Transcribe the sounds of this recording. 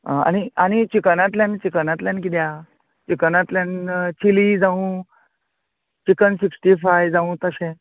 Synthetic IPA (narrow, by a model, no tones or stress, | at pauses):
a̰ñiañit͡ɕikənat̪ljant͡ɕikənat̪ljankit̪ja | t͡ɕikənat̪ljant͡ɕʰilid͡zaʋũ | t͡ɕikənsiksʈifajd͡zaʋũt̪əsẽ